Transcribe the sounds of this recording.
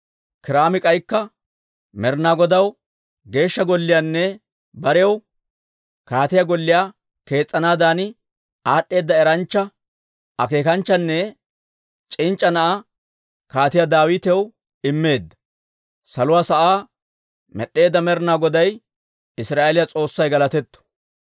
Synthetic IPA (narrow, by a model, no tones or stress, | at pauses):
kɪɾaːmɪkʼɐjkːɐ | mɛɾnaːɡɔd̪ɐw | ɡe̞ːʃːɐɡɔlːɪjanːɛ | bɐɾɛw | kaːt̪ɪjɐɡɔlːɪjaː | ke̞ːt͡sʼːɐnaːd̪aːnɪ | aːɗːe̞ːd̪ːɐɛɾɐnt͡ʃːɐ | ɐke̞ːkɐnt͡ʃːɐnːɛ | t͡ʃʼɪnt͡ʃʼːɐnɐʔa | kaːt̪ɪjad̪aːwɪt̪ɛw | ɪmːe̞ːd̪ːɐ̥ | sɐlʊwaːsɐʔaː | mɛ̰ɗːe̞ːd̪ːɐmɛɾnaːɡɔd̪ɐj | ɪsɾaːʔelɪjɐt͡sʼo̞ːsːɐjɡɐlɐt̪ɛt̪ːɔ̥